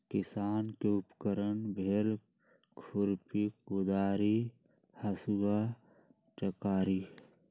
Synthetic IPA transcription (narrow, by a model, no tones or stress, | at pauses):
kɪsaːnkeʊpkəɾənbʱeɾ | kʰʊɾpikʊd̪aːɾi | hɐsuɡa | t͡ʃəkaːɾi